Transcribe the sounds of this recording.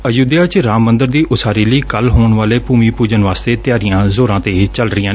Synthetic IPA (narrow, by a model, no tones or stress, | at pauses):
əjuːd̪jaːt͡ʃɾaːmːə̃nd̪əɾd̪iːʔʊsaːɾiːləiːkəlɦoːɳʋaːleːpuːmiːpuːd͡ʒənʋaːst̪eːt̪ɪjaːɾɪjãːzoːɾãːt̪eːt͡ʃəlɾɪjãː